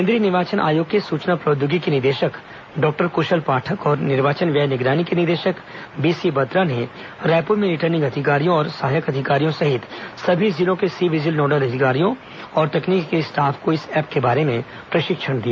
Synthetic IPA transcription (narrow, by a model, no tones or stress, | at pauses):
ɪ̃nd̪ɾinɪʋaːt͡ʃənʔa̰ːjoːɡ̚kesuːt͡ʃnapɾoːd̪juɡikinɪɾd̪eːʃək | ɖɔːk̚ʈəɾkʊʃəlpaːʈʰəkɔːɾnɪɾʋaːt͡ʃənʋjɐjnɪɡɾaːnikinɪɾd̪eːʃək | biːsibɐt̪ɾane | ɾɛːpuɾmẽɾɪʈəɾnɪ̃ŋɡɐd̪ʱɪkaːɾijõɔːɾsɐɦaːjəkɐd̪ʱɪkaːɾijõsɐɦɪt̪sɐbʱid͡ʒɪlõkesiʋɪd͡ʒɪlnɔːɖəlɐd̪ʱɪkaːɾijõ | ɔːɾt̪ɐkniːkːesʈaːfʰkoɪsɛːp̚kebaːɾemẽ | pɾɐʃɪkʃənd̪ijaː